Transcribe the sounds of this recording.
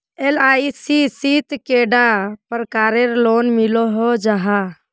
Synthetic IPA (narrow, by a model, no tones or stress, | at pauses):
elaisisit̪keɖapəɾkaɾeɾlonmiloɦod͡ʒaɦa